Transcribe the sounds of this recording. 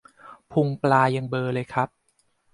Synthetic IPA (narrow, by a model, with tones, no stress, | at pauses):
pʰu˧ŋplaː˧ja˧ŋbɤː˧lɤː˧jkʰɾa˦˥p̚